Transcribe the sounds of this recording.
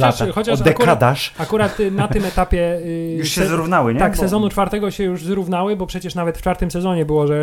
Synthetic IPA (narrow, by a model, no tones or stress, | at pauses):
laxɔt͡ɕad̪ɛkkad̪aʂakuɾat̪nat̪ɪmɛt̪apʲjɛjuʂɕɛzɾuvnawɘɲɛaksɛzɔnut͡ʂfaɾt̪ɛɡɔɕɛjuʐzɾuvnawɘbɔpʂɛt͡ɕɛʂnavɛt̪ft͡ʂfaɾt̪ɘmsɛzɔɲɛbɘwɔʐɛ